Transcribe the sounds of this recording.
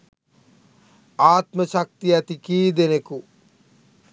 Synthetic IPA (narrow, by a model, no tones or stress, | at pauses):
aːt̪məʃak̚t̪iæt̪ikiːd̪eneku